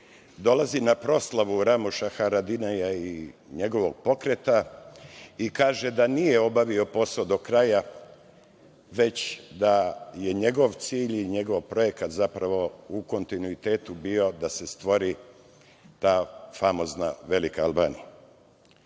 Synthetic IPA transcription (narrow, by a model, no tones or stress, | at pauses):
d̪o̞lazinapɾo̞slaʋuɾamuʃaxaɾad̪inajaiɲe̞ɡo̞ʋo̞ɡ̚po̞kɾe̞t̪a | ikaːʒe̞d̪anijeo̞baʋio̞po̞sod̪o̞kɾaja | ʋe̞t͡ɕd̪aje̞ɲe̞ɡo̞ʋt̪siːʎiɲe̞ɡo̞ʋpɾo̞je̞kat̪zapɾaʋo̞uko̞nt̪inuit̪e̞ːt̪ubio̞d̪ase̞st̪ʋo̞ɾi | t̪aːfamo̞znaʋe̞likaalba̰ːnija